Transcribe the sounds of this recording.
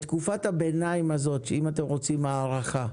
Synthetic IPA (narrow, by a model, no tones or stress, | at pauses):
t̪kufathabenaimazo̞t̪ʃeimat̬e̞mʁo̞t͡simaːʁaχa